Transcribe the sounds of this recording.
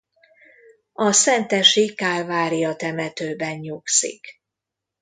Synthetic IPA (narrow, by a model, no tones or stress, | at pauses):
ɒsɛnt̪ɛʃikaːlvaːɾijɒt̪ɛmɛt̪øːbɛɲɲuksḭk